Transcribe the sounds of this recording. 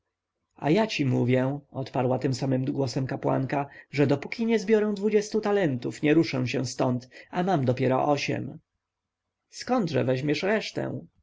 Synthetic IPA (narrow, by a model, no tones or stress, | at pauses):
a̰jat͡ɕimuvʲjɛɔt̪paɾwat̪ɘmsamɘmɡwɔsɛmkapwa̰ŋkaʐɛd̪ɔpukʲiɲɛzbʲjɔɾɛ̃w̃d̪vud͡ʑɛst̪ut̪alɛnt̪ufɲɛɾuʂɛw̃ɕɛ̰w̃st̪ɔnt̪amamd̪ɔpʲjɛɾɔ̰ʔɔɕɛ̰m | skɔnd̪ʐɛ̰vɛʑmjɛʂɾɛʂt̪ɛ̰̃w̃